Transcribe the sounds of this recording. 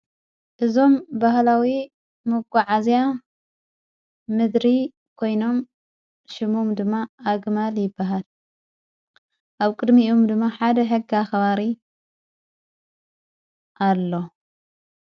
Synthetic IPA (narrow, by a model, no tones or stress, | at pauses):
ʔɨzo̞mbahlawi | mɨɡʷaʕazja | mɨd̪ɾi | kʰo̞jno̞m | ʃɨmumd̪ɨmːaʔːɡmaljɪbːaɦal | ʔaβkʼɨd̪miʔomd̪ɨmːaħad̪ɐħɨɡːaxɐβaɾi | ʔalːo̞